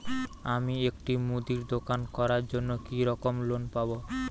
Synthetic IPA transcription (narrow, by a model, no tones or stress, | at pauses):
amiekʈimud̪iɾd̪okankɔɾaɾd͡ʑonːokiɾɔkomlonpabo